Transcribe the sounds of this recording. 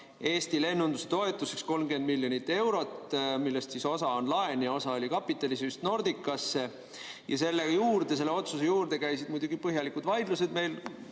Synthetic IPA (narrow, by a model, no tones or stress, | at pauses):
e̞ːst̪ile̞nːund̪̥uset̪o̞e̞t̪ːˑuse̞ksko̞lmɡ̥end̪̚milʲːjo̞nit̪ːˑe̞wɾo̞t̪milːe̞st̪siːso̞sɑo̞nlɑenjɑo̞sɑo̞lʲikɑpːˑit̪ːˑɑlisyst̪no̞rd̪ikːˑɑsːe̞ | jɑse̞lːejuːrd̪̥e̞se̞lːeo̞t̪suse̞juːrd̪e̞kæjsid̪̥mujd̪uɡipɤɦjɑlikud̪̥vɑjd̪luse̞d̪me̞jl